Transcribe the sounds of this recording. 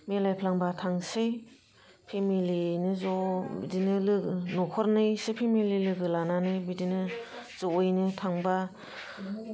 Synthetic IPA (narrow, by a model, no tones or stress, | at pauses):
melajpʰlaŋbatʰaŋsej | pʰemilinɯzɔbidinɯlɯnɔkʰɔɾnɯjsepʰemililɯɡɯlananɯjbidinɯz̥ɔɔjnɯtʰaŋba